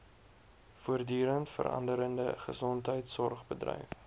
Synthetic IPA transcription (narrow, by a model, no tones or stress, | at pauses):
fuərdyːɾəntfə̰ɾɐ̰ndəɾəndəχəsɔntɦəjtsɔrχbədrɛ̰jf